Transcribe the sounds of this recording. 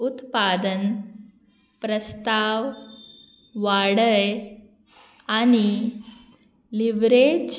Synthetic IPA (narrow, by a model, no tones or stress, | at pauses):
ut̪pad̪ən | pɾəst̪aʋ | ʋaɽəj | añi | liʋɾet͡ɕ